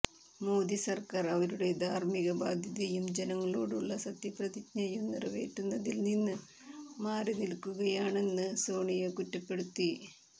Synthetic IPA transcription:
moːd̪isɐrkaːrɐʋɐɾuɽe̞d̪ʱaːrmiɣɐbaːd̪ʱjɐðɐjumd͡ʑenɐŋːɐɭo̰ːɽuɭːɐsɐt̪ːjiprɐðikɲɐjumnirɐʋe̞ːʈːunːɐðilninːɨ | maːrinilkːuɣɐjaːɳe̞nːɨso̞ːɳijɐkutːɐpːe̞ɽut̪ːi

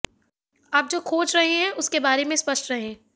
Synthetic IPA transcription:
aːp̚d͡ʒoːkʰoːt͡ʃɾɐɦeɦɛ̃ʔʊskebaːɾemẽspɐʃʈɾɐɦẽɦː

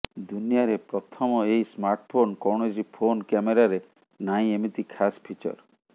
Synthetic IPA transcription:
d̪unijaɾepɾɔt̪ʰɔmɔejsmaɾʈpʰonkɔwɽ̃ed͡ʒipʰonkɛmeɾaɾe | naĩemit̪ikʰaspʰit͡ʃɔ̰ɾ

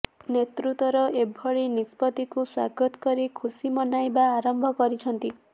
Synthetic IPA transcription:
net̪ɾut̪ɔɾɔʔebʱɔɭinispɔt̪ikuswa̰ɡɔt̪ɔ̥kɔɾikʰusimɔnajbaːɾɔmbʱɔkɔɾit͡ʃʰɔnt̪i

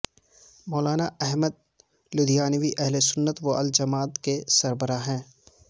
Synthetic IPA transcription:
mɔːlaːnaɛɦməd̪̚ | lʊd̪ijaːnʋiʔɛɦlesʊnːət̪ʋoʔɐld͡ʒɐmaːt̪kesɐɾbəɾaɦɛ̃ː

